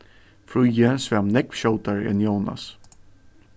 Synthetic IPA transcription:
fɹujɛnsvɛmnɛkʃowt̪aɹɛ̰njowna̰s

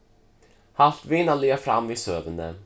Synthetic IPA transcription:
haft̪vɪnːaleːfɾa̰mːviːsøːvənd̪ə̰

